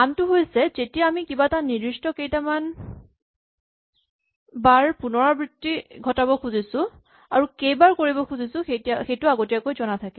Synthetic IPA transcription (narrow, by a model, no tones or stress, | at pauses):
antʊɦojsɛzetijaːmikibatanidɹistɔkejtaman | baɹpunɔɹabɹitːiɡʱɔtabɔkʰuzisʊ̃ | aɹukejbaɹkoɹibɔkʰuzisʊ̃xejtiaxejtʊaɡotijakojzɔnatʰakɛ